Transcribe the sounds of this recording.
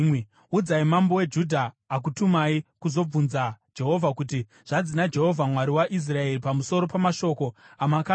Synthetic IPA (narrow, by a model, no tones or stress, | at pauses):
ud͡zaimambo̞we̞d͡ʒudʱaː | k̬utumaikuzo̞b͡vunzad͡ʒe̞ɦo̞vʱakuti | ʐ̥ad͡zinad͡ʒe̞ɦo̞vʱamwaɾiwaʔis̬rae̞ripamuso̞ɾo̞pamaʃo̞ko̞amaka